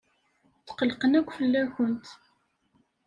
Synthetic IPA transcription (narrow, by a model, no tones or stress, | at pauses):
θqəlqənækʷːfəlːæçənt̪